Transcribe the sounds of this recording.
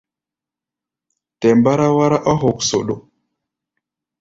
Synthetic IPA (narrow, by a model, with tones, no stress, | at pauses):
tɛ˨mba˦ɾa˦wa˦ɾa˦ʔa˦ɦo˨kso˨ɗo˨